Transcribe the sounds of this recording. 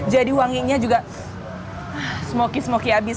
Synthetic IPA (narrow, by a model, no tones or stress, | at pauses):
d͡ʒadiwaŋiɲad͡ʒuɡa | səmokisəmokiabis